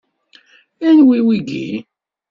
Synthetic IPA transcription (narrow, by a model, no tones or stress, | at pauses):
ænwiwiɡḭ